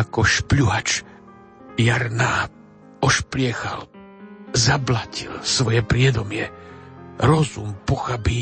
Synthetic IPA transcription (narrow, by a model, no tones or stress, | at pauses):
akɔʃpʎuɦat͡ʃ | jaɾnaː | ɔʃplɪɛxal | zablacilsʋɔjɛpɾɪɛd̪ɔmɪɛ | ɾɔzumpɔxabi